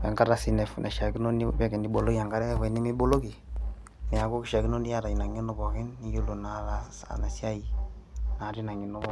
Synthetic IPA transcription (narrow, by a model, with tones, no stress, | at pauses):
a̰˨ŋɡa˦ɾa˨si˨nɛ˨fnʔa˨ʃa˨ki˦no˦ni˦bɛ˦kɛ˨ndi˦bo˨lo˦ki˦ja˨ŋɡa˦ɾɛ˦ɛ˦fa˨i˨ni˦mi˦bo˦lo˦ki˨ | mɛ˨a˨ko˦ki˦ʃa˨ki˦no˦ni˦a˦ɾa˨i˨na˨ŋo˦no˦˨bɔ˨kɪ˦nːi˦jo˦lu˨na˨la˦sa̰˨na˨si˦a˦i˨na˨ɾi˦na˨ŋi˨no˦bɔ˦